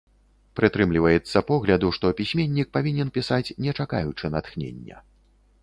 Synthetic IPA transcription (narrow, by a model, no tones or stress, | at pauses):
pɾɨt̪ɾɨmlʲivɐjɛt̪sːɐpɔɣlʲɐd̪uʂt̪ɔpʲisʲmʲenʲːik̚pavʲinʲɛnpʲisat͡sʲnʲɛt͡ʂaka̰jut͡ʂɨnat̪xnʲḛnʲːɛ̰